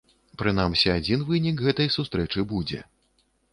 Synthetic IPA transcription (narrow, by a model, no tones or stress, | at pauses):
pɾɨnamsʲiad͡zʲinvɨnʲikɣɛt̪ɐjsust̪ɾɛt͡ʂɨbud͡zʲɛ̰